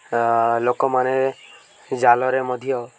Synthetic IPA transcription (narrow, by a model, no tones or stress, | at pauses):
lokɔmane | d͡ʒalɔɾemɔd̪ʱijɔ